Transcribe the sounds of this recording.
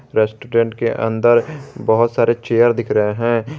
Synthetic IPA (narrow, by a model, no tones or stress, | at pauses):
ɾɛːsʈuːɾẽːɳʈkeʔə̰̃nd̪əɾbəɦʊt̪saːɾet͡ʃeːəɾd̪ɪkʰɾəɦeɦɛ̃ː